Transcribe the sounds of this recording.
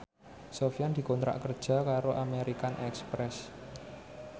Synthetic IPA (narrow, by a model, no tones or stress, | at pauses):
sofijand̪̥i̤kont̪ɾa̰ʔkərd̥ʒ̥ä̤kaɾoʔameɾikanʔɛkspɾɛs